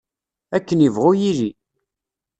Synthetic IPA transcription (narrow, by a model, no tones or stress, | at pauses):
ækːənivʁʊjili